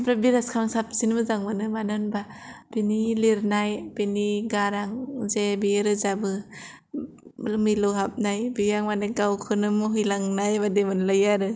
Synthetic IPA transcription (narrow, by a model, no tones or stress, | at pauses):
pɾabiɾaskʰaŋsap̚sinmɯzaŋmɯnɯmanɔnbapiniliɾnajpiniɡaɾaŋzebiɾɯzabɯ | miloɦap̚najbijaŋmanakawkʰɯnɯmɔɦɯjlaŋnajbademɯnlajaɾɯ